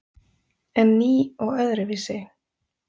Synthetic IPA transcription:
ɛnːiːɔɣœðɾɪvɪsɪɣ

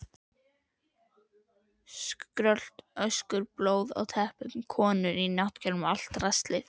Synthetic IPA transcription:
skɾœl̥t̪œskʏɾploːwða̰wt̪ʰɛhpʏtnkʰɔːnʏɾinaht̪cʰɛlmal̥t̪rɛst̪lɪ̰θ

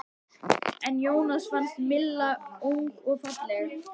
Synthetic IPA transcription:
ɛnjoːwnasfanst̪mɪlːauŋkɔɣfat̪lɛ

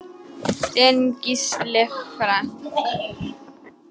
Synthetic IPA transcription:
tʼɛnkʼislɛfɾan

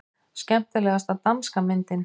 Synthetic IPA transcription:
scɛm̥t̪ʏlɛːɣast̪awt̪amskamɪnt̪ɪn

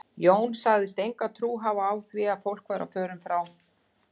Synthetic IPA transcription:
joːwnsaɣðɪst̪ejŋkat̪ʰɾuːɦavaːwθvɪaðfowl̥kʰvaːɾʔa̰fœːɾʏmfɾaːw

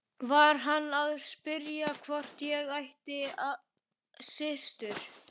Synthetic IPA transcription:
vaɾ̥ɦanːaðspɪɾjakʰvɔr̥t̪jɛɣajht̪ɪa | sɪst̪ʏɾ̥

